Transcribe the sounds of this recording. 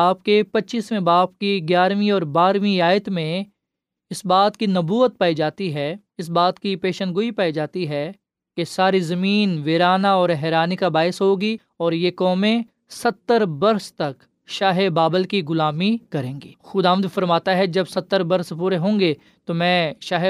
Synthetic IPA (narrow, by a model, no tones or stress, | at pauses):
aːp̚kepɐtːʃiːsmẽbaːpkiɡjaːɾmĩɔːɾbaːɾmĩaːjət̪mẽ | ɪsbaːt̪kinɐbuːət̪̚paːid͡ʒaːt̪iɦɛ | ɪs̬baːt̪kipeːʃə̃nɡʊipaːid͡ʒaːt̪iɦɛ | kesaːɾizɐmiːnʋeːɾaːnaɔːɾɦɛːɾaːnikabaːɪsɦoːɡi | ɔːɾjekɔːmẽ | sɐt̪ːəɾbɐɾst̪ɐk | ʃaːɦebaːbəlkiɡʊlaːmikɐɾẽːŋɡiːxʊd̪aːʋəd̪fɐɾmaːt̪aɦɛd͡ʒɐbsɐt̪ːəɾbɐɾspuːɾeɦõːŋɡe | t̪omɛ̃ːʃaːɦe